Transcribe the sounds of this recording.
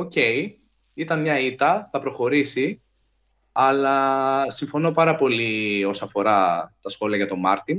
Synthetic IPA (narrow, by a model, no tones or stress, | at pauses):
oce̞j | it̪ɐnmɲɐit̪ɐθɐpɾo̞xo̞ɾisi | ɐlɐsiɱfo̞no̞pɐɾɐpo̞lio̞sɐɐfo̞ɾɐt̪ɐsxo̞liɐʝɐt̪o̞mɐɾt̪im